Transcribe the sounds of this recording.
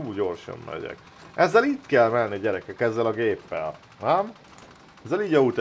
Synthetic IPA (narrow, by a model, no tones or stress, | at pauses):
uːɟo̞rʃo̰mmɛ̰ɟɛ̰k | ʔɛzːɛliːt̪kɛlmɛnnːiɒɟɛɾɛkɛkɛzːɛlɒɡeːpːɛl | nɛm | ɛzːɛliːɟɒut̪